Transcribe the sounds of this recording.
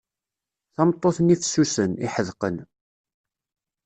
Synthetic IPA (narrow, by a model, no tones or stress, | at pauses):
θɑmt̪ˤːoθnifsːusəniħəðqən